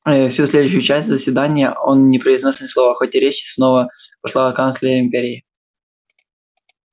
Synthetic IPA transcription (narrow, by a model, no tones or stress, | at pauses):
fsʲusʲlʲed̪ʊɕɪjʊt͡ɕæsʲtʲzəsʲvʲɪd̪anʲɪjəo̞nnʲɪpɾəɪznosʲnɨslˠovəxotʲɪɾʲet͡ɕɪ̥snovəpɐʂlˠakant̪slʲɪɾəɪmʲpʲeɾʲɪː